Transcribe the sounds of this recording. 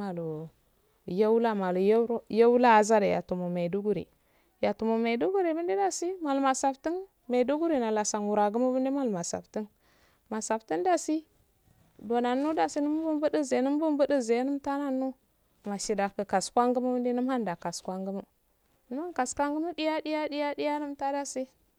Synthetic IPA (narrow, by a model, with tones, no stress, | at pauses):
a˨lo˨ | ja˦wla˦ma˨lu˨jɾja˦wu˦la˦a˨za˦da˨ja̰˨tu˨mu˨me˨du˦ɡu˦ɾḭ˨ | ja˨tu˨mu˨me˨du˦ɡu˦ɾi˨bi˦ndi˦da˦si˦ma˨lma˨sa˨fti˦n | me˨du˦ɡu˦ɾi˨na˨la˨sa˨nwu˨ɾa˨ɡu˦mu˦bə˦ndi˦ma˦lma˨sa̰˨fti˦n | ma˨sa˨fti˦nda˦si˦ | do˨na˨nu˦da˨si˦nu˦m˦bu˦mbu˦di˦ze˨˦nu˦m˦bu˦mbu˦di˦ze˨˦nu˦mta˦na˦nːu˦ | ma˨ʃi˨da˨kə˨ka˨skʷa˦ŋɡu˦mu˦bu˦ndi˦nu˦mha˦nda˨ka˨skʷa˦ŋɡu˦mu˦ | nə˦ma˦nka˨skʷa˦ŋɡu˦mu˦di˦ja˦di˦ja˦di˦ja˦di˦ja˦nu˦mta˦da˦si˦